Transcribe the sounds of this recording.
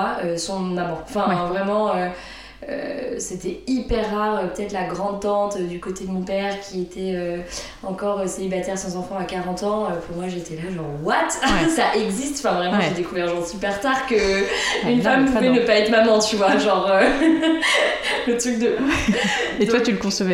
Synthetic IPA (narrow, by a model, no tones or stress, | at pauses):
aøsɔ̃namɔ̃ɑ̃fɛ̃vʁɛmɑ̃ø | ø̰set̪ɛipɛʁːaʁøpə̥t̪ɛt̪laɡʁɑ̃d̪̚t̪ɑ̃t̪ød̪ykot̪ed̪əmɔ̃pɛʁkʲiet̪ʰɛø | ɑ̃kɔʁøselibat̪ɛʁsɑ̃zɑ̃fɑ̃akaʁɑ̃t̪ɑ̃øpuʁmwaʒet̪ɛlaʒɔ̃ʁwat̪saʔɛɡzist̪fɛ̃vʁɛmɑ̃ʒed̪ekuvɛʁʒɔ̃ʁsypɛʁt̪aʁkəynffampuvɛnəpaɛt̪χmamɑ̃t̪yvwaʒɑ̃ʁø | lət̪χyk̚d̪ə | det̪wat̪yləkɔ̃səvɛ